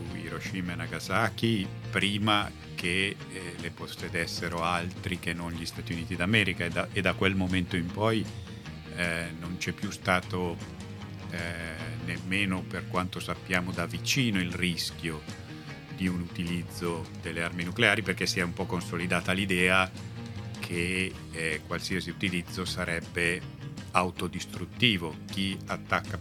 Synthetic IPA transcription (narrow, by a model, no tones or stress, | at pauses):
suḭɾoʃimenaɡazaːk̟ipɾiːma | kʰe | leposːed̪esːeɾoalt̪ɾikenːonʎist̪aːt̪iuniːt̪id̪amɛːɾikaed̪aʔed̪akːwelmoment̪oimpɔj | nont͡ʃɛpːjust̪aːt̪o | nemːeːnoperkwant̪osapːjaːmod̪avit͡ʃiːnoilrisk̟jo | d̪iunut̪ilid̪zːod̪elːearminukleaːɾiperkesːiɛumpɔkːonsolid̪aːt̪alid̪ɛːa | kʰe | kwalsiːasiut̪ilid̪zːosaɾʔɛbːeawt̪od̪ist̪ɾut̪ːiːvok̟iat̪ːakːa